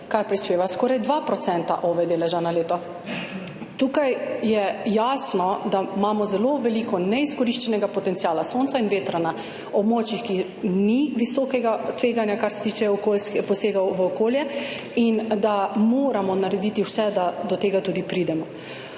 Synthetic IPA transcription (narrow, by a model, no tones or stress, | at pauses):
kaɾpɾispeːʋaskɔːɾajd̪ʋapɾɔt̪sɛnt̪a̰ʔɔːʋɛd̪eːlɛʒanaleːt̪ɔ | t̪ukajjɛjasnɔd̪amaːmɔzɛloʋɛlikɔnɛiskɔɾiʃt͡ʃɛnɛɡapɔt̪ɛnt̪siaːlasont̪sainʋeːt̪ɾana | ɔbmɔːt͡ʃixki | niʋisɔkɛɡat̪ʋeːɡanjakaɾsɛ̥t̪it͡ʃɛɔkolskɛpɔseːɡawʋəɔkoːljɛ | ind̪amoːɾamɔnaɾɛd̪it̪iwsɛd̪ad̪ɔt̪eːɡat̪uːd̪ipɾid̪ɛmɔ